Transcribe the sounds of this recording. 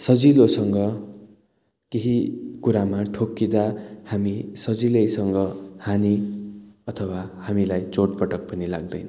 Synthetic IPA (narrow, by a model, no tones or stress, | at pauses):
sʌd͡zilosʌŋɡʌ | keɦikuɾamaʈʰokːid̪ahamisʌd͡zilʌjsʌŋɡʌhani | ʌt̪ʰʌwahamilajt͡soʈ̚pʌʈʌk̚pʌnilaɡ̚d̪ʌjnʌ